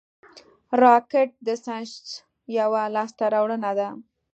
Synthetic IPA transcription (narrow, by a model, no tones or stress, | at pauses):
ɾɑkeʈ̚d̪əsãʃt͡s | jawalɑst̪aɾawɽənad̪a